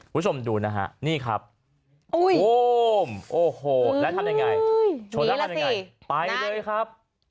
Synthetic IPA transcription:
ku˧˦˥t͡ɕʰo˧mduː˧na˦˥kʰa̰˦˥ʔniː˥˩kʰɾa̰˦˥p̚ | u˧˥˩ju˦˧mʔoː˨˩hoː˨˧˩lɛ˦˥t̪ʰa˧mja˧ŋa˧jjt͡ɕʰoː˧na˦lmjasi˧ŋa˧˩j | pa˧jlɤː˧jkʰɾa˦˥p̚

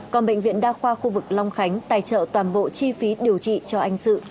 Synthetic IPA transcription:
kɔ˨˩nɓə̰˧˨ŋ̟vḭ˧˨ənɗaː˧xwaː˧xu˧vɨ˨˩k̚la˧wŋ͡mxa˨˦jŋ̟t̪a̰ː˧˩jt͡ɕə̰ː˧˨t̪waː˨˩nɓo̰˧˨t͡ɕi˧fi˨˦ɗi˨˩əwt͡ɕḭ˧˨t͡ɕɔ˧ʔa˧jŋ̟sɨ̰˧˨

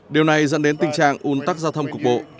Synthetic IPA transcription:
ɗi˨˩əwna˨˩jzə̰˧˨nɗe˨˦nt̪ï˨˩ŋt͡ɕa̰ː˧˨ŋʔu˨˦ənt̪a˦˥k̚zaː˧wt̪ʰə˧wŋ͡mku˨˩ək̚ɓo̰˧˨ʔ

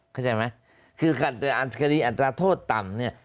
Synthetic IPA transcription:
kʰa˥˩t͡ɕa˧jma˦˥j | kʰɯː˧kʰa˨˩t̪a˧ʔa˨˩t̪ʰka˧ɾiː˧˥ʔa˨˩t̪ɾaː˧t̪ʰoː˥˩t̪ːa˨˩mni˥˩ɐ

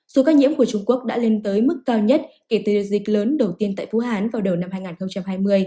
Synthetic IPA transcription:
so˨˦kaː˧ɲḭ˧˥əmku˧˩ət͡ɕʊ˧ŋ͡mku˦˥ək̚ɗa̰ː˧˥le˧nt̪əː˨˦jmɨ˦˥kːaː˧wɲə˦˥t̚ | ke˧˩t̪ɨ˨˩˨zi̟˨˩ləː˨˦nɗə˨˩wt̪i˧ənt̪a̰ː˧˨jfṵ˧˥haː˨˦nvaː˨˩wɗə˨˩wna˧mhaː˧jŋaː˨˩nxə˧ŋ͡mt͡ɕa˧mhaː˧jmɨ˧əj

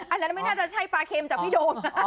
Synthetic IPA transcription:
ʔa˧nːa˦˥nma˥˩jnaː˥˩t͡ɕa˨˩t͡ɕʰa˥˩jpaː˧kʰeː˧mt͡ɕa˨˩pʰiː˦˥˩doː˧nna˦˥

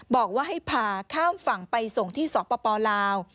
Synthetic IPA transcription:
bɔː˨˩k̚waː˥˩ɦa˥˩jpʰaː˧kʰaː˥˩mfa˨˩ŋpa˧jso˨˩ŋt̪ʰiː˥˩sɔː˩˦pɔː˧pɔː˧laː˧w

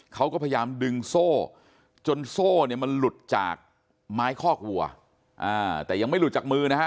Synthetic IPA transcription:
kʰa˦˥wkɔː˥˩pʰa˧ja˧jaː˧mdɯ˧ŋsoː˥˩ | t͡ɕo˧nsoː˥˩ni˥˩ma˧nlu˨˩t̪̚t͡ɕa̰ː˨˩k̚ | maː˦˥jkʰɔː˥˩k̚wu˨˩ɐ | ʔaː˧˩t̪ɛː˨˩ja˧ŋma˩jlu˨˩t̪̚t͡ɕaː˨˩k̚mɯː˧na˦˥a˦˥

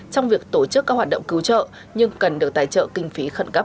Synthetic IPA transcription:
t͡ɕɔ˧wŋ͡mvi˨˩ək̚t̪o˧˩t͡ɕɨ˦˥k̚ːaː˦˥khwaː˨˩t̚ɗə̰˧˨wŋ͡mkɨ˨˦wt͡ɕə̰ː˧˨ | ɲɨ˧ŋkə˨˩nɗɨ˨˩ək̚t̪a̰ː˧˨jt͡ɕə̰ː˧˨kï˧ŋ̟fi˨˦xə˧˩nkə˦˥

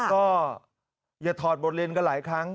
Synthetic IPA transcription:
kɔː˥˩ | jaː˨˩t̪ʰɔː˨˩t̪̚bo˨˩t̪̚li˧ənka˧nlaː˩˦jkʰɾa˦˥ŋ

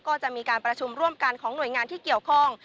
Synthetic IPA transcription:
kɔː˥˩t͡ɕa˨˩ʔmiː˧kaː˧npɾa˧t͡ɕʰu˧mɾu˥˩əmka˧nkʰɔː˩˦ŋnu˨˩əjŋaː˧nt̪ʰiː˥˩ki˨˩əwkʰɔ˥˩ŋ

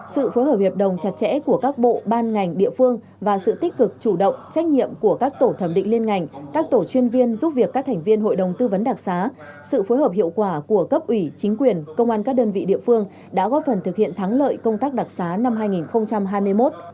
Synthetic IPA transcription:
sɨ̰˧˨fo˨˦jɦəː˨˩p̚hi˨˩p̚ɗə˨˩wŋ͡mt͡ɕa˨˩t̚t͡ɕɛ̰˧˥ku˧˩əkaː˦˥k̚ɓo̰˧˨ɓaː˧nŋa˨˩jŋ̟ɗḭ˧˨əfɨ˧əŋ | vaː˨˩sɨ̰˧˨t̪i˦˥k̟̚kɨ˨˩k̚t͡ɕu˧˩ɗə̰˧˨wŋ͡mt͡ɕa˦˥k̟̚ɲḭ˧˨əmku˧˩əkaː˦˥k̚t̪o˧˩t̪ʰə˧˩mɗḭ̈˧˨ŋ̟li˧ənŋa˨˩jŋ̟kaː˦˥k̚t̪o˧˩t͡ɕwi˧ənvi˧ənzu˦˥p̚vi˨˩əkːaː˦˥k̚t̪ʰŋ̟vi˧ənɦo̰˧˨jɗə˨˩wŋ͡mt̪ɨ˧və˨˦nɗa˨˩k̚saː˨˦ | sɨ̰˧˨fo˨˦jɦəː˨˩p̚hḭ˧˨əwkwaː˧˩ku˧˩əkə˦˥p̚ʔwi˧˩t͡ɕï˨˦ŋ̟kwi˨˩ənkə˧wŋ͡mʔaː˧nkaː˦˥k̚ɗəː˧nvḭ˧˨ɗḭ˧˨əfɨ˧əŋ | ɗa̰ː˧˥ɣɔ˦˥t̚fə˨˩nt̪ʰɨ˨˩k̚hḭ˧˨ənt̪ʰa˨˦ŋlə̰ː˧˨jkə˧wŋ͡mt̪aː˦˥k̚ɗa˨˩k̚saː˨˦na˧mɦaː˧jŋi˨˩nxə˧wŋ͡mt͡ɕa˧mɦaː˧jmɨ˧əjmo˦˥t̚

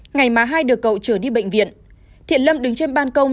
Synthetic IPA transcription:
ŋa˨˩jmaː˨˦ɦaː˧jɗɨ˨˩əkːə̰˧˨wt͡ɕəː˧˩ɗi˧ɓḛ˧˨jŋ̟vḭ˧˨ən | t̪ʰḭ˧˨ənlə˧mɗɨ˨˦ŋt͡ɕe˧nɓaː˧nkə˧wŋ͡m

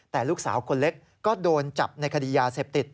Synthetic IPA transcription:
t̪ɛː˨˩luː˥˩k̚saː˩˦wkʰo˧nle˦˥k̚ | kːɔː˥˩doː˧nt͡ɕa˨˩p̚na˧jkʰa˧diː˧˩jaː˧seː˨˩p̚t̪i˨˩t̪̚

